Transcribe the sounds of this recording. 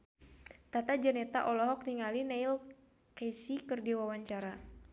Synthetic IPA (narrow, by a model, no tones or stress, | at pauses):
t̪at̪ad͡ʒənɛt̪a̰ʔɔlɔɦɔk̚niŋalinajl | kesikɨrdiwawaɲt͡ʃaɾa